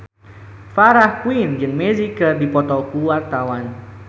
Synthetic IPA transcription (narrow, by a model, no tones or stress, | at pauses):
faɾahkuind͡ʒɨŋmɛzikərdipɔt̪ɔkuwart̪awan